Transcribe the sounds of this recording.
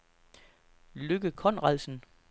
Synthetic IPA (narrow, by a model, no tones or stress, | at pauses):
løɡ̥əkʰɒ̽n̰ʁaðˠsn̩